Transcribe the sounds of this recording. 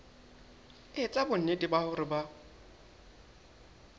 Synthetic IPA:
ɪt͡sʼabʊn̩nedibahʊɾɪba

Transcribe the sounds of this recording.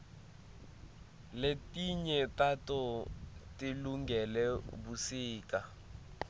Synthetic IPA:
letiɲɛtatɔtiluŋɡɛlɛbusiːka

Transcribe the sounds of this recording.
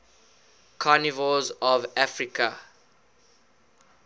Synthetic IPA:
kʰɔnivɔzɔvafɹikʰa

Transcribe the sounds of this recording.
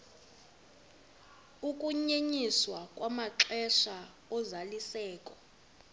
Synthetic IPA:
ukʼuɲeɲiswakʼwamaǁɛʃa | ɔzalisɛːkʼɔ

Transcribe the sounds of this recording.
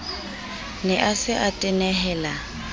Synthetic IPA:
nɛʔasɪʔatʼɪnɛɦɛːla

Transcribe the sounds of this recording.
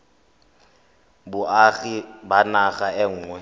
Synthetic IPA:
bʊaɣibanaχaɛŋ̩ːŋwɛ

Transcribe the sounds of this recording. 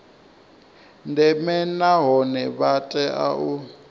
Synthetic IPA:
ndɛmɛnaɦɔnɛβatʼɛʔa̰ʔu

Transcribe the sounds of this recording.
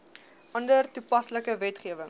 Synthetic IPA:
ʔɐndərtupɐsləkəvɛtχiəvəŋ

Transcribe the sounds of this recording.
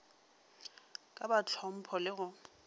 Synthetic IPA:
kʼabat͡ɬʰwɔm̩pʰɔlɪɣʊ

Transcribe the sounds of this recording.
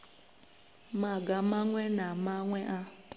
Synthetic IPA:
maɡamaŋʷenamaŋʷeʔa

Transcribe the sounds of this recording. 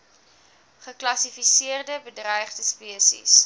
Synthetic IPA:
χəklɐsifisiərdəbədrœjχdəspiəsḭs

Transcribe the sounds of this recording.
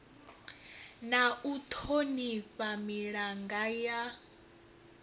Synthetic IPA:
naut̪ʰoniɸamiɺaŋɡaja

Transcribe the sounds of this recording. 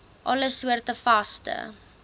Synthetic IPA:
ʔɐləsuərtəfɐstə̰

